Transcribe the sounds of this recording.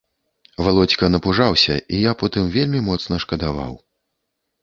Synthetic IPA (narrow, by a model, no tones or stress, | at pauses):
valˠɔt͡sʲkɐnɐpuʐawsʲɐ̰ʔijapɔt̪ɨmvʲelʲmʲimɔt̪snɐʂkɐd̪ava̰w